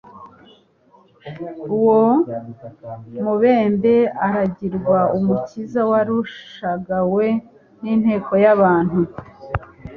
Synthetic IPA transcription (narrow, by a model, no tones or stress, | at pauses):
uwo | muβeːmbe̞aɾaɟiɾɡwaumucizawaɾuʃʃaɡawe̞ | nin̥he̞ːko̞jaβaːn̥hu